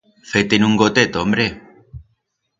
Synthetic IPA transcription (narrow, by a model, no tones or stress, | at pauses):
fejt̪enuŋɡot̪et̪ombɾe